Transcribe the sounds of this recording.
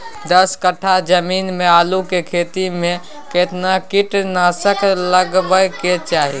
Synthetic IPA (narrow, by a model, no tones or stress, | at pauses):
d̪əskəʈʰad͡ʒəmiːnmeaːlukekʰet̪imẽ | ket̪nakiʈnasəkləɡbəjket͡ʃaɦḭ